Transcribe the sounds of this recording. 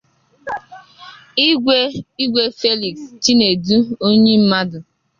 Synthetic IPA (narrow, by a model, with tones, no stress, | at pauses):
ɡʷe˦i˦ɡʷe˦fe˦li˨kst͡ʃi˦ne˨du˦o˦ɲe˦m̩˦ma˦dʊ˨